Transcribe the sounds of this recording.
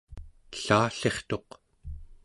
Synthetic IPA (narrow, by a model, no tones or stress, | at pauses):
ɬaːɬe̞χt̪o̞q